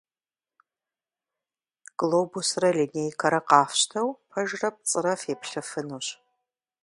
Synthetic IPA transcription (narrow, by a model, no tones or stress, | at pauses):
ɡ̥loːbusrɐlinejkʰɐɾɐqɑːfɕtʰɐwpʰɐʒrɐp̚t͡sʼɨɾɐfeːpɬɨfɨnuɕ